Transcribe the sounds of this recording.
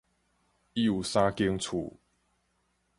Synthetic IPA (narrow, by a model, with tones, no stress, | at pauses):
i˦u˨sa˦ki˦əŋt͡sʰṵ˨˩